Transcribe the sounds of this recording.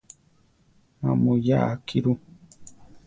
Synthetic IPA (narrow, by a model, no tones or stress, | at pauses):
ma̰mujaʔakiɾu